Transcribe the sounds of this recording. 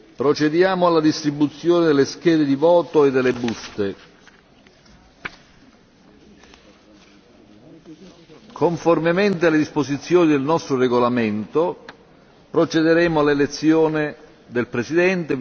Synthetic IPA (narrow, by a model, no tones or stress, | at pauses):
pɾot͡ʃed̪jaːmʊalːad̪ist̪ɾibut̪sːjoːned̪elːesk̟ɛːd̪ed̪ivɔːt̪oed̪ːelːebust̪e | kʰoɱformement̪̬ealːed̪ispozit̪sːjoːnid̪elnɔst̪ɾoreɡolament̪o | pɾot͡ʃɛd̪eɾɛːmoalːelet̪sːjoːnɪ | d̪elpɾesid̪ɛnt̪e